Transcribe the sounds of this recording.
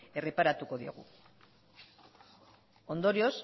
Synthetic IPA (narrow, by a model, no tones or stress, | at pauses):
e̞re̞paɾat̪uko̞ðioɣṵ | o̞nd̪o̞ɾio̞s